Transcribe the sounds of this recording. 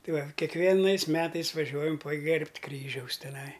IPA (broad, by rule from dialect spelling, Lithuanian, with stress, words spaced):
ˈtɐɪ ˈʋɐ kʲiɛkˈʋʲiɛnɐɪs ˈmʲæːtɐɪs ʋɐˈʒʲuɔjɛm pɐˈɡʲɛrʲpʲtʲ ˈkrʲiːʒʲɛʊs tʲɛˈnɐɪ